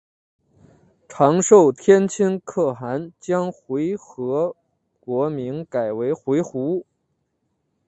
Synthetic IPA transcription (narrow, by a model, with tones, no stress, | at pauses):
ʈ͡ʂʰɑ˧˥ŋʂo˥˩ʊt̪ʰjɛ˥nt͡ɕʰi˥nkʰɤ˥˩xa˧˥nt͡ɕjɑ˥ŋxwe˧˥ɪxɤ˧˥ | kwɔ˧˥mi˧˥ŋka˨˩ɪwe˧˥ɪxwe˧˥ɪxu˧˥